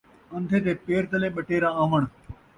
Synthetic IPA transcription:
ə̃nd̪ʱet̪eːpeːɾt̪əlẽːɓɐʈeːɾããːʋəɽ̃

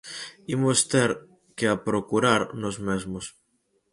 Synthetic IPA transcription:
imost̪eɾ | keapɾokuɾaɾnozmezmos

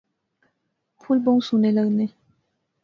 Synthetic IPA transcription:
pʰulboŋsuneləkne

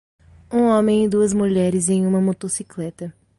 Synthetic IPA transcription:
ũõmẽj̃id̪uɐzmuʎɛɾɪzẽj̃ũmɐmot̪osiklɛt̪ɐ

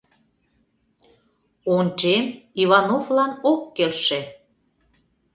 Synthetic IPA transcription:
ont͡ʃemiβɑnovlɑnokːelʃĕ

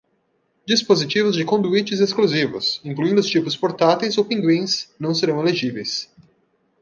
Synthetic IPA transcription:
d͡ʒispozit͡ʃivʊzd͡ʒɪkõd̪uit͡ʃɪzeskluzivʊ̰sĩŋkluĩnd̪ʊst͡ʃipʊspoɾt̪at̪ejzowpĩŋɡwĩsnɐ̃w̃seɾɐ̃w̃eleʒivejs

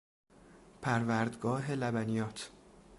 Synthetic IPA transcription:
pʰæɾvæːɾd̪ɡɒːɦe̞læbænijɒːt̪ʰ

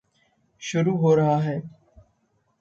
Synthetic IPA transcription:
ʃʊɾuːɦoːɾɐɦaːɦɛː

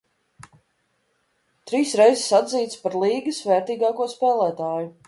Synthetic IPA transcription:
t̪ɾiːsɾɛjzsad̪ziːt̪spaɾlˠiːɡɨsvɛɾt̪iːɡaːkuɔspɛːlˠæːt̪aːju

